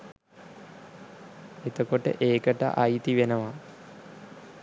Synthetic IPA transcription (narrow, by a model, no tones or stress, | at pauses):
et̪okoʈə̰ʔeːkəʈa̰ʔajit̪iʋenəʋa